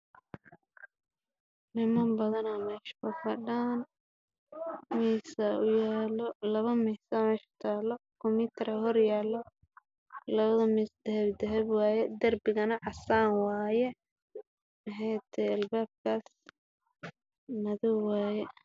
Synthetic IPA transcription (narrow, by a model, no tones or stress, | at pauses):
nɪmambɐðɐnaːmɛːʃbɐfɐɖaːn | miːsɐʊjaːlɔlɐβɐmiːsamɛʃt̪ʰaːlɔkʰɔmɪt̪ʰɛɾɐhɔrjaːlɔ | lɐβɐðɐmiːsd̪ɛhɛbd̪ɐɦɛbwaːjɛd̪ɐrbɪɣɐnɐʕɑsaːnwaːjɛ | mɐɦɛjt̪ʰɛɐlbaːb̚kʰaːs | mɐðɔwwaːjɛ